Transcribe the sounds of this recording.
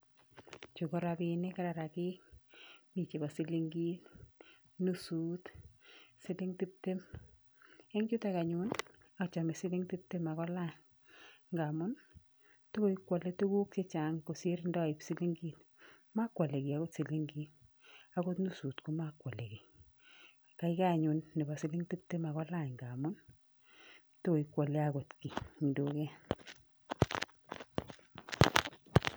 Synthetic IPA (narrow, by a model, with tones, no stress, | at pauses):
t͡ʃu˨kɔ˦ɾabinɪ˦ka˦ɾa˨ɾa˨kɪ˦ | mi˨t͡ʃe˨ba˨si˦li˦ŋɡi˦n | nusuːt | si˦li˦ŋti˦p̚te˦m | e˦ŋd͡ʒʊ˦ta˦ka˨ɲun | a˨t͡ʃa˨mesɪ˦lɪ˦ŋti˦p̚te˦ma˨kɔ˦la˦n | ŋɡamʊ˦n | to˦ko˦ikwa˨le˦tu˦ɡu˦kse˦t͡ʃa˨ŋko˨se˦ɾndɔ˦a˨i˨psi˦li˦ŋɡi˦t̚ | ma˦kwa˨le˨ki˨a˨ɡo˦tsi˨li˦ŋɡi˦t | a˦ɡo˦tnu˦su˨tku˦ma˦kwa˨le˨ɡi˨ | ka˨i˦ka˦˨ɲʊ˨nːɪ˨ba˨sɪ˦li˦ŋti˦p̚te˦ma˨ɣɔ˦la˦˨ɲŋɡa˨mʊ˦n | to˦o˨i˨kwa˨le˦a˨ɡɔ˨tki˨ŋi˨do˨kɛ˦